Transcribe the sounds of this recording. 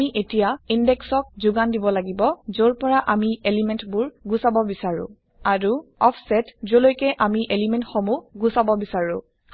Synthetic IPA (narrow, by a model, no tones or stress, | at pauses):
iʔetijaindɛksɔk̚zʊɡandibɔlaɡibɔzoɹpɔɹaʔamielimɛntbʊɹɡusabɔbisaɹʊ̰̃ | aɹuɔpʰsɛtzolojkɛʔamiʔelimɛntxɔmuɡusabɔbisaɹʊ̃